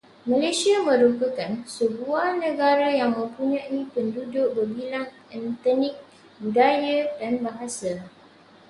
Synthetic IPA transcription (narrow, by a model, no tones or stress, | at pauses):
mãlesiamə̃ɾupəkansəbuahnə̃ɡaɾajaŋmə̃mpuɲãʔipəndudʊʔ̚bəbilaŋ | ənt̪ənik̚ | ɡajədanbaɦasa